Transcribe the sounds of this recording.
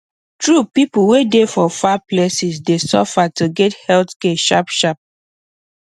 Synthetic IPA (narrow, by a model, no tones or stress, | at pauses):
tɹupipuwedefɔfaplesisdesɔ̰fatuɡɛthɛltkɛʃa̰pʃap̚